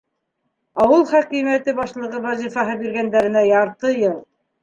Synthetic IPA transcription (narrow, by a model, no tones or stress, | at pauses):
ɑwɤlˠχækimæt̪ɘbɑʃlˠɤ̆ʁɤwɑzifɑɦɤbiɾɣænd̪æɾɘ̆næjɑɾt̪ɤjɤlˠ